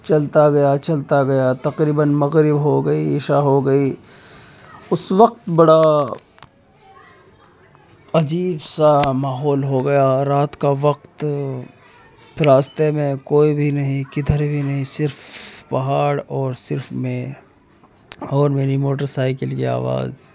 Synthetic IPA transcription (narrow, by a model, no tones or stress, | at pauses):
t͡ʃɐlt̪aɡɐjat͡ʃɐlt̪aɡɐjat̪ɐqɾiːbənmɐɣɾɪbɦoɡɐiɪʃaɦoɡɐiː | ʊsʋɐq̚t̪bɐɽa | ɐd͡ʒiːbsamaːɦɔːlɦoɡɐjaɾaːt̪kaʋɐqt̪ | ɾaːst̪emẽkoːibʱinɐɦĩkɪd̪ʱəɾbʱinɐɦĩsɪɾfpɐɦaːɽɔːɾsɪɾfmẽ | ɔːɾmeːnimoːʈ̬əɾsaːɪkəlkia̰ːʋa̰ːz